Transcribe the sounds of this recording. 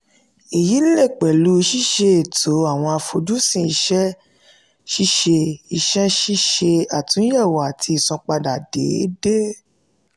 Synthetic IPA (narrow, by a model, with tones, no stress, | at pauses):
i˨ji˨˦le˦˨k͡pɛ˨lu˨˦˧ʃi˦˨ʃe˧˨tʰo˨˦a˦˨w̃ɔ̃˧a˧fo˧d͡ʒu˦sĩ˧˨i˧ʃɛ˦ | ʃi˦ʃe˧i˧ʃɛ˦ʃi˦ʃe˧a˨tũ˨˦jɛ˦˨wa˨tʰi˧˦i˦˨sɔ̃˧k͡pa˧da˨dḛ˨˦de˦